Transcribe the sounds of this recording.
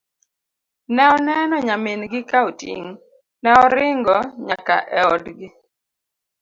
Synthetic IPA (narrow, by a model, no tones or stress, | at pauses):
nɛɔnɛnɔɲamenɡɪkaotḭŋ | nɛɔɾɪŋɡɔɲaka̰ʔɛɔdɡɪ